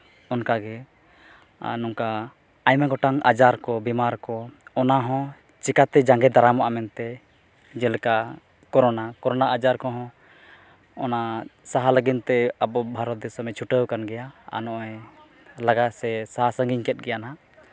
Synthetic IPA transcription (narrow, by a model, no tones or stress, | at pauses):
ɔnkaɡɛ | nɔŋkaː | jmɛɡɔʈaŋa̰d͡ʒaɾkɔbimaɾkɔɔnaɦɔ̃ | t͡ʃikat̪ɛd͡ʒaŋɡɛd̪aɾamaʔamɛnt̪ɛ | d͡ʒɛlɛka | kɔɾɔnakɔɾɔnaʔad͡ʒaɾkɔɦɔ̃ | ɔnasaɦaləɡint̪ɛabɔbʱaɾɔt̪̚d̪ɛsəmɛt͡ʃʰuʈəwkanɡɛjaa̰nɔʔɔj | laɡasɛsaɦasəŋɡiɲkɛt̪̚ɡɛjana